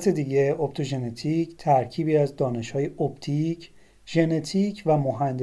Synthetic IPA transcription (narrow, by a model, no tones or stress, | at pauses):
t̪ʰe̞d̪iːɟe̞obt̪ʰo̞ʒe̞net̪ʰict̪ʰæɾcʰiːbiːæzd̪ɒːne̞ʃhɒːjeʔop̚t̪ʰicʰ | ʒe̞ne̞t̪ʰicʰvæmoɦænd̪